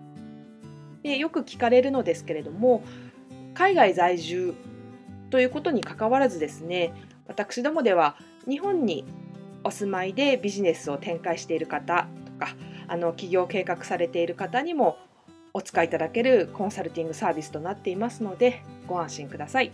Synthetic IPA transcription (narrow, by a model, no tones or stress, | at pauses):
d̪̥e̞jo̞kɯ̟kʲi̥kaɾe̞ɾɯ̟no̞d̪e̞sɨ̥ke̞ɾe̞d̪o̞mo̞ | kaiɡaizaiʑɨː | t̪o̞jɯ̟ːko̞t̪o̞ɲ̟ikakaβaɾazɨd̪e̞sɨne̞ | βat̪akɯ̥ɕid̪o̞mo̞d̪e̞β̞a | ɲ̟iɦõ̞ɲ̟ːio̞sɨmaid̪e̞bʲiʑine̞sɨo̞t̪ẽ̞ŋkaiɕi̥t̪e̞iɾɯ̟kat̪at̪o̞̥kaano̞kʲiɡʲo̞ːke̞ːkakɯ̟̥saɾe̞t̪e̞iɾɯ̟kat̪aɲ̟imo̞ː | t͡sɨ̥kait̪ad̪ake̞ɾɯ̟kõ̞ɰ̃saɾɯ̟t̪ʲĩŋɡɯ̟saːbʲisɨ̥t̪o̞nat̪ːe̞imasɨno̞d̪e̞ɡ̥o̞ãɰ̃ɕĩŋkɯ̟d̪asai